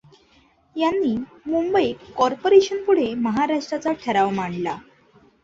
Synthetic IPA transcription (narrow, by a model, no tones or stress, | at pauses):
janːiː | mumbəikɔɾpoɾeɕənpuɽ̤eməɦaɾaʂʈɾat͡saʈʰəɾaʋmaɳla